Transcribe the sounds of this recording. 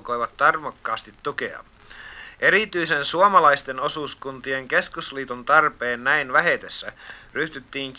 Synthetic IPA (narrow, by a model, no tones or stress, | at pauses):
kojʋɑt̪ːɑrmokːɑːst̪it̪ːuke̞̰ɑ̰ | e̞ɾit̪yjse̞nsuomɑlɑjst̪e̞no̞suːskunt̪ieŋke̞skusliːt̪unt̪ɑrpe̞ːnːæinʋæɦet̪esːæryht̪yt̪ːiːŋk